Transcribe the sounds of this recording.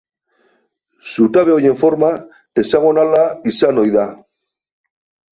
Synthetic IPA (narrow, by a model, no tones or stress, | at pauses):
sut̪aβeojeɱfoɾma | esaɣonalaisanojða